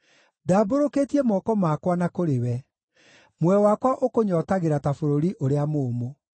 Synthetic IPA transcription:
daːboɾokeːtiɛmɔkɔmakwanakoɾewɛ | mwɛwakwaʔokoɲɔːtaɣeɾatafoɾoɾiʔoɾeamoːmo

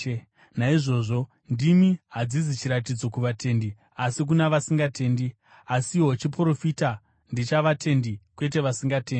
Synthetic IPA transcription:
naiʐo̞ːʐo̞ | ndimiɦad͡zizit͡ʃiɾat̬id͡zo̞kuʋatʰe̞ːndi | asik̬unaʋasiŋɡatʰe̞ːndi | asiɦo̞t͡ʃipro̞fita | ndit͡ʃaʋatʰe̞ndikwe̞t̬e̞ʋasiŋɡateːndi

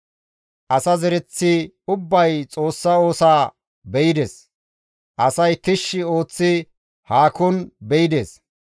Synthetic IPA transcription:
ʔɐsɐzɛɾɛt͡sːɪ | ʊbːɐjt͡sʼo̞ːsːɐo̞ːsaː | bɛjɪd̪eːs | ʔɐsɐjt̪ɪʃːɪo̞ːt͡sːɪ | haːkɔnbɛjɪd̪eːs

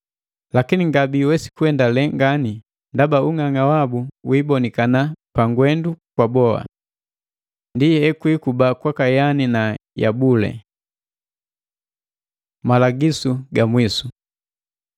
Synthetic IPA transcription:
lakiniŋɡabiwɛsi̥kuɛndalɛŋɡani | ndabauŋaŋawabuwibɔnikanapaŋɡwɛndukwabɔa̰ | ndiɛkwikubakwakajaninaja̰bulɛ̰ | malaɡisuɡamwisu

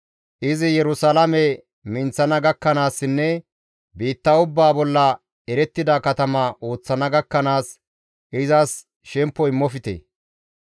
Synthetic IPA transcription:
ʔɪzɪjɛɾʊsɐlɐmɛ | mɪnt͡sːɐnɐɡɐkːɐnaːsːɪnːɛ | biːt̪ːɐʊbːaːbɔlːɐ | ɛɾɛt̪ːɪd̪ɐkɐt̪ɐmɐʔo̞ːt͡sːɐnɐɡɐkːɐnaːs | ʔɪzɐs | ʃɛmpːɔɪmːɔfɪt̪ḛː

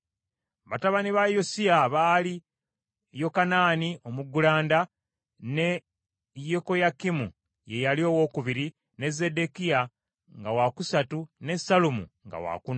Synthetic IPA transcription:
βataβaniβajosiaβaːli | jo̞kanaːnio̞muɡulaːnda | ne | jeko̞jakːimṵ | je̞jalio̞wo̞ːkuβiɾi | ne̞zːe̞de̞kia | ŋɡawakusatune̞sːalumṵŋɡa̰wa̰kun

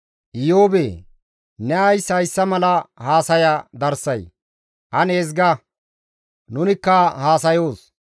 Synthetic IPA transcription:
ʔɪjoːbeː | nɛɐjshɐjsːɐmɐlɐhaːsɐjɐd̪ɐɾsɐj | ʔɐneːz̬ɡɐ | nʊnɪkːɐhaːsɐjo̞ːs

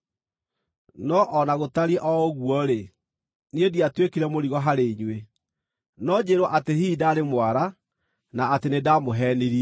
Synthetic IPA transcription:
nɔʔɔnaɣotaɾiɛʔɔɣwɔɾe | niediatwekiɾɛmoɾiɣɔɦaɾeɲwe | nɔd͡ʑeɾwɔʔatehidaːɾemwaɾa | naːtenedamoɦɛniɾiɛ

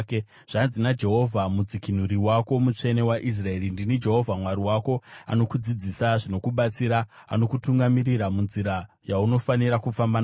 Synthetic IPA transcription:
k | ʐ̥anzinad͡ʒe̞ɦo̞vʱamud͡zikin̤uɾiwako̞mut͡ʂe̞ne̞waʔis̬rae̞ɾindinid͡ʒe̞ɦo̞vʱamwaɾiwako̞a̰no̞kud͡zid͡zisaʐino̞kuɓat͡siɾa | a̰no̞kutuŋɡamiɾiɾamunziɾa | jauno̞faniɾakufamban

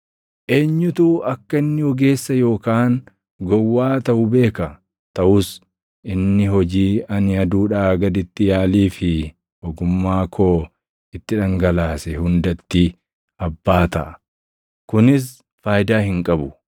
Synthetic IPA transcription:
ʔe̞ːɲːʊt̪uːʔɐkːɐɪnːɪɔɡe̞ːsːɐjo̞ːkaːn | ɡɔwːaːt̪ɐʔʊbe̞ːkɐ | t̪ɐʔʊs | ʔɪnːɪɦɔd͡ʒiːɐnɪɐd̪uːᶑaːɡɐd̪ɪt̪ːɪjaːliːfɪ | ɔɡʊmːaːkʰoː | ɪt̪ːɪᶑɐŋɡɐlaːsɛhʊnd̪ɐt̪ːi | ɐbːaːt̪ɐʔ | kʊnɪs̬ | faːjd̪aːhɪŋkʼɐbʊ

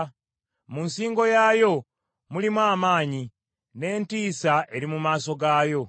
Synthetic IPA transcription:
munsiːŋɡo̞jajo̞ | mulimwaːmaːɲi | ne̞ːntiːsaʔe̞ɾimumaːso̞ɡaːjo̞

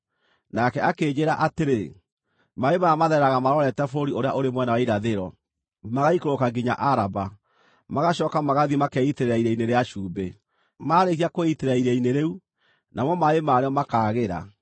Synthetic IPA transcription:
nakɛʔakeːd͡ʑeɾaʔateɾe | maemaamaðɛɾaɣamaɾɔɾɛtɛfoɾioɾeaʔoɾemwɛnawaiɾaðeɾɔ | maɣaikoɾokaɡiɲa̰ʔaɾaba | maɣaɕɔːkamaɣaðimakɛiteɾeɾaiɾaineɾeaʃuːbe | maɾekiakoiteɾaiɾɛineɾeu | nʔamwɔmaemaːɾeɔmakaːɣeɾa̰

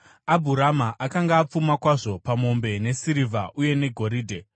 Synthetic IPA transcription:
abʱuɾamaʔakaŋɡaːp͡fumakwaʐo̞pamo̞mbe̞ne̞siɾivʱa̰ʔuje̞ne̞ɡʱo̞ɾiːdʱe

